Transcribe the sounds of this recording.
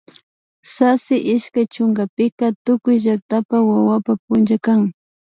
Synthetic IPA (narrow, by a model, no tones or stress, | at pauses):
sasɪʔɪʃkajt͡ʃʊŋɡapɪkat̪ʊkʊjʒak̚t̪apawawapap̚ʊnt͡ʃakaŋ